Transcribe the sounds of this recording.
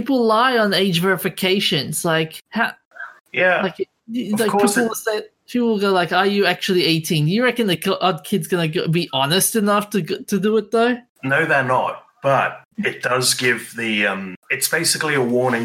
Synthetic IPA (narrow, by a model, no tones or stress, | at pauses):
pipl̩ˠlaɪə̃neɪd͡ʒvɛɹɨfɨkʰeɪʃɨ̃nz̥laɪkha | jæaɪk | aɪpʰipl̩ˠwseɪpʰiplˠwəlˠɡoʊlaɪkə˞jɨæk̚t͡ʃul̩ˠieɪtʰĩnjɨɹɛkɨ̃nðɨkʰʔʌd̚kʰɪdzɡʌnɨɡobiʔɑnɨstɨnʌftʰɨtʰɨdəɪt̪̚ðoʊ | noʊðɨtⁿnət̚ | b̥ʌt̚ɨt̚d̥ʌzɡɪvðiʌ̃mɨtsb̥eɪsɨkliəwɔɹnɪ̃ŋ